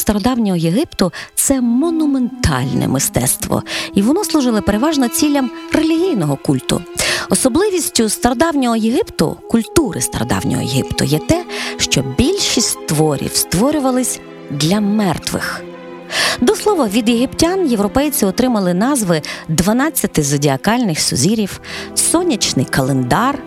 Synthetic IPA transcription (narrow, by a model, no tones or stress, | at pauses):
st̪ɐɾɔd̪ɑwnʲɔɦɔjeɦɪpt̪ʊt̪sɛmɔnʊme̞nt̪ɑ̰lʲnɛ̰mɪst̪ɛ̰t̪st̪ʋɔ̰iʋɔnɔslˠʊʒɪlˠɐpeɾeʋɑʒnɔt͡sʲilʲːɐmre̞lʲiɦʲijnɔɦɔkulʲt̪ʊ̰ɔsɔblˠɪʋʲisʲtʲʊst̪ɐɾɔd̪ɑwnʲɔɦɔjeɦɪpt̪ʊ̰kʊlʲt̪uɾɪ̰st̪ɐɾɔ̰d̪ɑ̰wnʲɔ̰ɦɔ̰jeɦɪ̰pt̪ʊ̰jɛt̪ɛʃt͡ʃɔbʲilʲʃisʲtʲt̪ʋɔɾʲḭwst̪ʋɔɾʲʊʋɐlˠɪsʲ | d̪lʲɐmɛrt̪ʋɪ̰x | d̪ɔslˠɔʋɔʋʲid̪jeɦɪptʲanje̞wɾɔpɛjt͡sʲiɔt̪ɾɪmɐlˠɪnɑzʋɪd̪ʋɐnɑt͡sʲːɐt̪ɪzɐdʲiɐkɑlʲnɪxsɔ̰zʲiɾʲiwsɔnʲɐt͡ʃnɪ̰jkɐlˠend̪ɑr